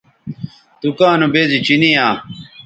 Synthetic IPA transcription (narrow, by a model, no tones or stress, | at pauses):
t̪ukaːnubeːzit͡ɕinijaː